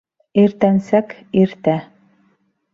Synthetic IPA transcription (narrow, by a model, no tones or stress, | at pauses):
iɾt̪ænsækiɾt̪æ